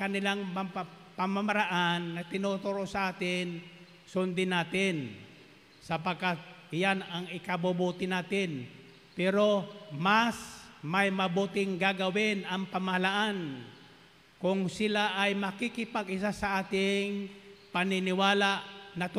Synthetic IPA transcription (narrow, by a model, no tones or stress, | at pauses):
kɐnɪlaŋmɐ | pɐmamɐɾaʔanːɐt̪ɪnot̪oɾosɐʔaːt̪ɪn | sʊnd̪ɪnaːt̪ɪn | sɐpɐɡkat̪̚ɪjanɐŋɪkɐbobuːt̪ɪnaːt̪ɪn | pɛːɾo̞masmajmɐbuːt̪ɪŋɡaɡɐwɪnɐŋpɐmɐhɐlaʔan | kʊŋsɪlaʔajmɐkɪkɪpaɡʔɪsasɐʔaːt̪ɪŋpɐnɪnɪwaːlaʔnɐt̪